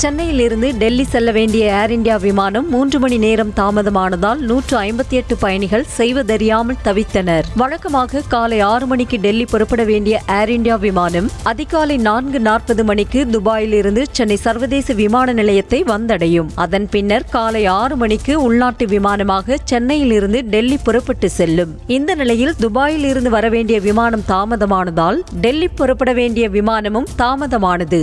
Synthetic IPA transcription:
t͡ʃɛnːɐjɪlɪɾɯnd̪ɯɖɛlːisɛlːɐʋeːɳɖɪjɐaːɾɪɳɖɪjaːʋɪmaːnɐmːuːndrɯmɐɳineːɾɐmt̪aːmɐðɐmaːnɐðaːlnuːʈrɯɐɪmbɐt̪ːiɛʈːɯpɐjɐɳɪɣɐɭsɛjʋɐd̪ɐɾɪjaːmɐlt̪ɐʋɪt̪ːɐnɐɾʋɐɻɐkːɐmaːɣɐkaːlɐɪaːɾɯmɐɳɪkːɯɖɛlːipɔɾɯpːɐɽɐʋeːɳɖɪjɐʔaːɾɪɳɖɪjaːʋɪmaːnɐmɐðɪɣaːlɐɪnaːnɡɯnaːrpɐðɯmɐɳɪkːɯd̪ʊbaːjɪlɪɾɯnd̪ɯt͡ʃɛnːɐɪsɐɾʋɐðeːsɐʋɪmaːnɐnɪlɐjɐt̪ːɐɪʋɐnd̪ɐɽɐjɯmɐðɐnpɪnːɐɾkaːlɐɪaːɾɯmɐɳɪkːɯʊɭnaːʈːɯʋɪmaːnɐmaːɣɐt͡ʃɛnːɐjɪlɪɾɯnd̪ɯɖɛlːipɔɾɐpːɐʈːɯsɛlːɯmɪnd̪ɐnɪlɐjɪld̪ʊbaːjɪlɪɾɯnd̪ɯʋɐɾɐʋeːɳɖɪjɐʋɪmaːnɐmt̪aːmɐðɐmaːnɐðaːlɖɛlːipːɔɾɯpːɐɽɐʋeːɳɖɪjɐʋɪmaːnɐmɯmt̪aːmɐðɐmaːnɐðɯ

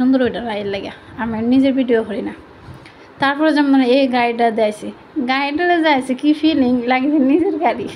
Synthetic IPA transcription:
ɔnd̪uɾojʈaɾajilaɡja | amɛnizeɾbiɖijokʰɔɾina | t̪aɾpʰɔɾɔzɛmnɔneeɡaiʈad̪ajsi | ɡajiʈalezajsikifiliŋlaɡid̪inizeɾɡaɾi

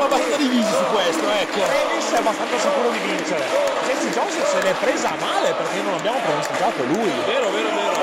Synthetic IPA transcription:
abast̪anad̪ivizisukːwest̪oɛk̟ːerɛmilsɛbast̪anasikuːɾod̪ivint͡ʃeɾesɛnt̪id͡ʒɔsisenɛpːɾeːzamaːleperk̟enːonabjaːmopɾemist̪id͡ʒat̪olujveːɾoveːɾoveːɾo

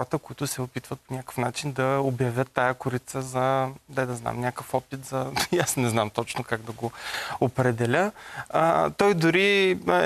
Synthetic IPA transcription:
ɾət̪əkʊit̪ʊsɛopit̪vət̪̚ponʲakə̥fnat͡ʃind̪ɐobjɐvʲjət̪ːajəkʊɾit̪səzɐd̪ɛd̪ɐzna̰mnʲakəfɔpit̪zɐjasnɛznamt̪ɔt͡ʃnokaɡd̪ɐɡoopɾɛd̪ɛlʲə | t̪ɔjd̪ʊɾi

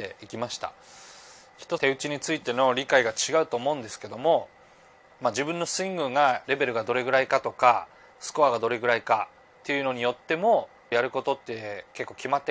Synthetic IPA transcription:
ḛikʲimaɕi̥t̪a̰ | çi̥t̪ot̪e̞ɯ̟t͡ɕiɲ̟it͡sɨit̪e̞no̞ɾʲikaiɡat͡ɕiɡaɯ̟t̪o̞ːmo̞ɯ̟̃nd̪e̞sɨ̥ke̞d̪o̞mo̞ | mad͡ʑibɯ̟̃nːo̞sɨĩŋɡɯ̟ŋɡaɾe̞be̞ɾɯ̟ɡad̪o̞ɾe̞ɡɯ̟ɾaikat̪o̞ka | sɨ̥ko̞aɡad̪o̞ɾe̞ɡɯ̟ɾaika | t̪ːe̞jɯ̟no̞ɲ̟ijo̞t̪ːe̞mo̞ | jaɾɯ̟ko̞t̪o̞t̪ːe̞ke̞kːo̞ːkʲimat̪ːe

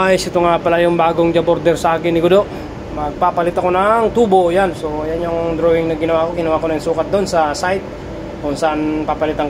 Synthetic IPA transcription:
ajsit̪uŋapalajuŋbaɡʊŋd͡ʒabɔrd̪ɛrsakiniɡudɔʔ | maɡ̚papalit̪akunaŋt̪ubojansojaɲoŋd̪ɾoiŋnaɡinawakuɡinawakunaŋsukat̪̚d̪ɔnsasajt̪̚ | bɔnsanpapalit̪aŋ

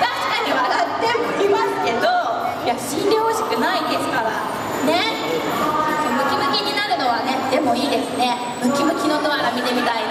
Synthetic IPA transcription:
t̪aɕi̥kaɲ̟iβaɾat̪ːe̞mɯ̟kʲimasɨ̥ke̞d̪o | jaɕĩnɾʲooɕi̥kɯ̟naĩd̪e̞sɨ̥kaɾa | ne̞ | somɯ̟kʲimɯ̟kʲiɲ̟inaɾɯ̟no̞βane̞d̪e̞mo̞iːd̪e̞sɨne̞ | mɯ̟kʲimɯ̟kʲino̞t̪o̞aɾamʲid̪emʲit̪aina

